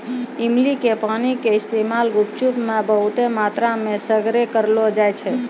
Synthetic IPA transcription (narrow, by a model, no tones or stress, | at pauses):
imlikepanikeɪst̪emalɡup̚t͡ʃupmebəɦut̪emat̪ɾamesəɡɾekəɾlod͡ʒajt͡ʃʰɛ